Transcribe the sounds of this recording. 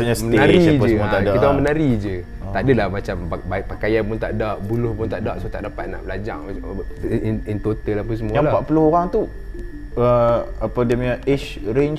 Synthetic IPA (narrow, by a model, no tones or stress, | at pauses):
aɲasmənaɾid͡ʒət̪adkit̪aamənaɾid͡ʒə | t̪adəlamat͡ʃamabaʔpakajanpunt̪a̰ʔdaʔbulʊhpunt̪aʔdaʔsot̪a̰ʔdapat̪̚na̰ʔbəlad͡ʒa̰ŋ | nint̪ot̪əlahpunsəmujãlapaʔpulohoɣaŋt̪u | əapədiəmɲãʔɛt͡ʃɾeɲ